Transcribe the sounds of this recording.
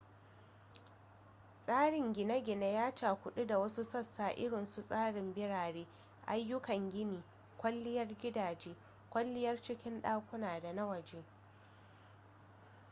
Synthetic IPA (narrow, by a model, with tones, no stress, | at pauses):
sʼaː˦ɽɪ˨ŋɡʲɪ˨na˦ɡʲɪ˨na˦jaː˦t͡ʃaː˨kʷʊ˦ɗu˦da˨wɐ˦su˦sɐ˦sːaː˨ʔɪ˦ɽɪ˨nsu˦sʼaː˦ɽɪ˨mbɪ˦ɽaː˨ɽeː˦ | ʔa˦jːʊ˦kɐ˨ŋɡʲɪ˦miː˨ | kʷɐ˦lːɪ˦jɐ˦rɡʲɪ˦daː˨d͡ʒeː˦ | kʷɐ˦lːɪ˦jɐ˦rt͡ʃɪ˦kʲɪ˦nɗaː˦kʷʊ˦naː˨da˨na˦wɐ˨d͡ʒeː˦